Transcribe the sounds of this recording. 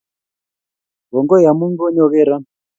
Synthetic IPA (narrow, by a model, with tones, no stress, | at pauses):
ɡɔ˨ŋɡɔ˦ja˨mu˦ŋɡɔ˦ɲɔ˦βɛ˦ɾa˦